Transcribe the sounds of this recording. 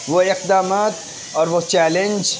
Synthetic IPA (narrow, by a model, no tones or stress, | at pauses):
ʋoɪqd̪aːmaːt̪ | ɔːɾʋot͡ʃɛːlẽnd͡ʒ